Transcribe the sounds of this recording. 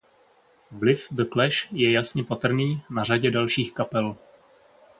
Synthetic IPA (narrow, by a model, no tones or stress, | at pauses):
vlɪfd̪əklɛʃjɛjasɲɛpat̪r̩niːnaraɟɛdalʃiːxkapɛl